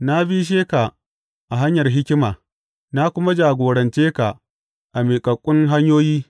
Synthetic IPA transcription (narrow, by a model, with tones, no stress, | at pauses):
na˦bi˦ʃ̬eː˦ka˨ | ʔa˨ɦa˦ɲjɐ˨rɦɪ˦kʲɪ˦maː˨ | na˦kʷʊ˦ma˦d͡ʒaː˨ɡʷoː˨ɽɐ˨nt͡ʃeː˦ka˨ | ʔa˨meː˨kʼɐ˨kʷʼʊ˦ŋɦa˦ɲjoː˦jiː˦